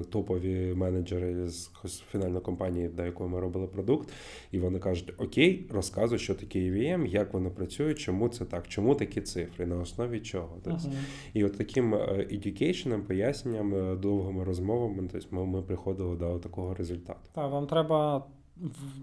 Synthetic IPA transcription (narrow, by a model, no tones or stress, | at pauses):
t̪ɔpɔʋʲimɛnɐd͡ʒeɾɪz | ɔsʲfʲinɑlʲnɔjkɔmpɑnʲijid̪ɔjɐkɔɦɔmɪɾɔbɪlˠɪpɾɔd̪ukt̪ | iʋɔnɪkɑʒʊtʲɔkʲejrɔskɑzʊʃt͡ʃɔt̪ɐkʲejʋʲiɛmjɐkʋɔnɪpɾɐt͡sʲujʊt͡ʃɔmut̪sɛt̪ɑkt͡ʃɔmut̪ɐkʲit̪sɪfɾɪnɐɔsnɔʋʲit͡ʃʲɔɦɔt̪ɔsʲ | iɔt̪ːɐkʲɪmʔedʲʊkʲɛjt͡ʃnɪmpɔjasʲnʲenʲːɐmd̪ɔwɦɪmɪɾɔzmɔʋɐmɪt̪ɔsʲmɪmɪpɾɪxɔd̪ɪlˠɪd̪ɔt̪ɐkɔɦɔɾezʊlʲt̪ɑ̰t̪ʊ̥t̪aʋamt̪ɾɛbɐ